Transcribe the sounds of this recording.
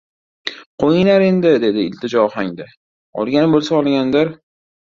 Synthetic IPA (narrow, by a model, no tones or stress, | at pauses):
qʰojɪnaɾe̞nd̪ɪd̪e̞d̪ɪɪ̰lt̪ʰɪd͡ʒɒɒhaŋd̪a | ɒ̰lˠɡʲanbolˠsaɒlˠɡʲand̪aɾ